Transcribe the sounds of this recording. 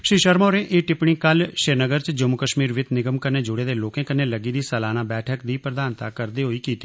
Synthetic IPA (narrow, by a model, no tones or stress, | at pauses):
ʃiːʃəɾmoːɾẽːʔeːʈɪpɳ̃iːkəlʃeːɾnəɡəɾt͡ʃd͡ʒəmukəʃmiːɾʋɪt̪nɪɡəmkəneːd͡ʒʊɽeːd̪eːloːkẽːkənːeːləɡiːd̪iːsəlaːnaːbɛːʈʰəkd̪iːpɾəd̪aːnt̪a̰kəɾd̪eːɦoiːkiːt̪i̥ː